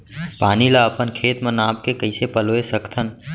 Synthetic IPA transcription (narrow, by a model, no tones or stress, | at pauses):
paːnilaəpənkʰeːt̪mə̃nãːbkekəɪsepəloesəkt̪ʰən